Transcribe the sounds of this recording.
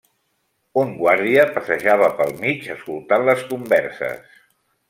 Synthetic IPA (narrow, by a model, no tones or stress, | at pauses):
uŋɡwaɾðiəpəsəʒaβ̞əpəlˠmit͡ʃəskulˠt̪anləskumbɛɾsə̰s